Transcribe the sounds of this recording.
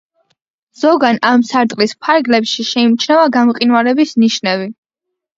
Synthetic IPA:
z̥ɔɡanamsaɾt̪ʼlispʰaɾɡlɛpʃiʃɛimt͡ʃʰnɛvaɡamqʼinwaɾɛbisniʃnɛvi

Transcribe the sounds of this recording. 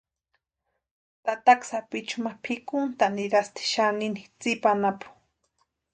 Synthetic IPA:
t̪at̪aksapit͡ʃʊmapʰikʊnt̪aniɾast̪i̥ʃaninit͡sipanapʊ̥

